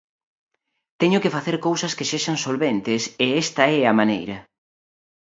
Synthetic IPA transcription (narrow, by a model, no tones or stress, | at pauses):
t̪ɛɲʊkɪfaθeɾkowsɐskeseʃɐŋsolβent̪ɪseɛst̪ɐɛɐmanejɾɐ